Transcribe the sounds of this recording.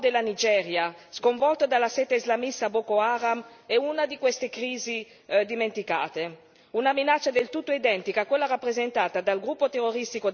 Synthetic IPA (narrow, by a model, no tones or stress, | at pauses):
d̪elːanid͡ʒɛɾjaskoɱvɔlt̪od̪alːasɛt̪eizlamist̪abɔkoaːɾamɛunad̪ikwest̪ekɾiːzi | d̪iment̪ika̰ːt̪e | unaminat͡ʃːad̪elt̪ut̪ːoid̪ɛnt̪ikakːwelːaɾapːɾezent̪aːt̪ad̪alɡɾupːot̪erːoɾist̪iko